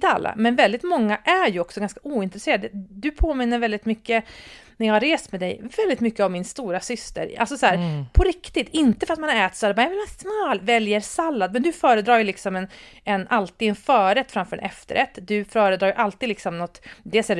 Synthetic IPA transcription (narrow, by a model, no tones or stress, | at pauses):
t̪əa̰lːa̰mɛnvɛld̪ɪt̪mɔŋːaʔæɾjɵɔksɔɡanskḁʔuːɪnt̪ɾɛseːɾad̪d̪ɵpʰoːmɪnːəɾvɛld̪ɪt̪mʏkːənæjɑːɡhaɾeːst̪mɛd̪ɛ̰jvɛld̪ɪt̪mʏkːəavmɪnst̪uːɾasʏst̪ə̰ɾʔa̰lsɔsæːɾpʰɔɾɪkt̪ɪt̪ɪnt̪əfœɾat̪manhaɾɛːt̪sad̪əbanɛmɛnɛsmɑːlvɛljəɾsalːad̪̚mɛnd̪ɵfœːɾəd̪ɾɑːjɵlɪksɔmɛn | ɛnʔalt̪iːd̪ɛnfœːɾɛt̪ːfɾamfœːɖɛ̰ʔɛft̪ə̰ɾʔɛt̪ːd̪ɵfœːɾəd̪ɾɑːjəʔalt̪iːd̪lɪksɔmnɔt̪ːd̪eːlsɛ